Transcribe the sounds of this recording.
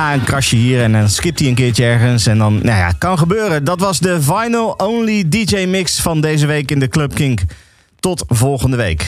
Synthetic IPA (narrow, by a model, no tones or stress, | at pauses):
aənkrɑʃəɦiːɹɛndɑnskɪp̚tiənkɪːɹt͡ʃəɛɹχənsɛndɑnna̰ja̰kɑnχəbøːrəndɑtʋɑzdəvɑjnəlˠownlidid͡ʒejmɪksfɑndejzəʋejkɪndəklɵp̚kɪŋk | tɔtvɔlˠχəndəʋejk